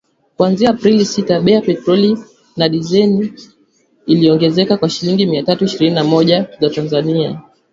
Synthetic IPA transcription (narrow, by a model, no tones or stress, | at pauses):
kwanziaːpɾilisitaɓɛapɛtɾɔli | naɗizɛniː | liɔŋɡɛzɛkakwaʃiliŋɡimiatatuiʃiɾininamɔʄazatanzania̰